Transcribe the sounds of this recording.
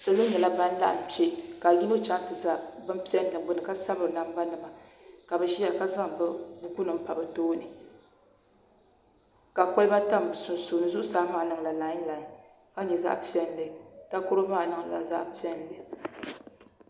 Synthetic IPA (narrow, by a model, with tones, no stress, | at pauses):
sa˨lo˦ɲɛ˨la˦ba˦n˦la̰˦ʔa̰˨pe˦ka˨ɡi˦no˦t͡ʃa˦ŋ˦tɨ˨za˦ʔbɨ˦m̩˦pi˦ɛ˦n˦nɨ˨bʊ˦nɨ˨ka˦sa˦bɨ˨ɾna˨m˦ba˦nɨ˨ma˨ka˨bɛ˨ʃi˦ja˨ka˦za˦ŋ˨bɨ˦bu˦ku˦nɨ˨m̩˦pa˨bɨ˨toː˦nɨ˨ | ka˨ko˦lɨ˦ba˦ta˦m˨bsu˨n˨soː˨nɨ˦zu˦ʔsaː˦maː˨˦˨nɨ˨ŋ˨la˨la˨˦la˨˦ | ka˦ɲɛ˨za̰˦ʔpi˦ɛ˦n̩˦lɨ˨ta˦ko˦ɾo˦maː˦˨nɨ˦ŋ˨la̰˨za̰˦ʔpi˦ɛ˦n˦lɨ˨